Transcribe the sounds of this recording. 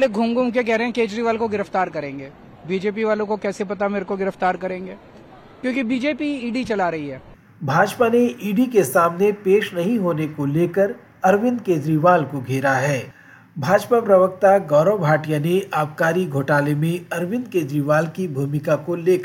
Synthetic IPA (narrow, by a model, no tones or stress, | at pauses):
leɡʱʊ̃ːŋɡũkekɛɦɾeɦɛ̃keːd͡ʒɾiʋaːlkoɡɪɾəft̪aːɾkɐɾẽːŋɡeː | biːd͡ʒeːp̬iʋaːlõkokɛːsepɐt̪ameɾkoɡɪɾəft̪aːɾkɐɾẽːŋɡeː | kjõːkibiːd͡ʒeːpiiːɖit͡ʃɐlaːɾɐɦiɦɛː | bʱaːd͡ʒpaneʔiːɖikesaːmnepeːʃnɐɦĩɦoːnekoleːkəɾ | ɐɾʋɪ̃nd̪̚keːd͡ʒɾiʋaːlkoɡʱeːɾaɦɛː | bʱaːd͡ʒpapɾɐʋək̚t̪aɡɔːɾõbʱaːʈijaneʔaːbkaːɾiɡʱoːʈaːlemẽɐɾʋɪ̃nd̪̚keːd͡ʒɾiʋaːlkibʱuːmɪkakoleːk